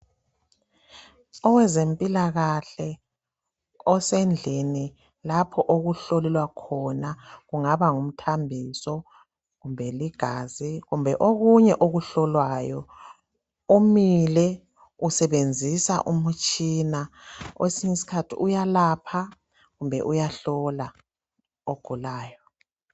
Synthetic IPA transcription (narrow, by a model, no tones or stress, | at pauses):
ɔwɛzempʼilaɣaɬɛ | ɔsend͡ɮʱini | lapʰɔʔoɣuɬolilwakʰɔnaɣuŋaβaŋum̩tʰambʱisɔ | ɣumbʱɛliɡ̥ʱaːziɣumbʱɛʔoɣuɲɛʔoɣuɬɔlwaːjɔ | umilɛ | usɛβend͡zʱisa̰ʔumut͡ʃʼiːnawʔesiŋisi̥kʰatʰiʔujalapʰa | ɣumbʱɛ̰ʔujaɬɔla | oɡ̥ʱulaːjɔ